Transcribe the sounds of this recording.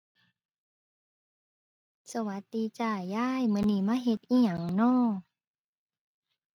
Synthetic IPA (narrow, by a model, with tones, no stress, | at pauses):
sa˧wa˧˦t̪ːi˧˦t͡ɕaː˧˩jːaː˧˥˩jmɯ˧˦˨niː˧˩˨maː˧˥˨ɦe˧˦t̪̚ʔiː˧˥˨ɲa˨˦ŋnɔː˧˥˩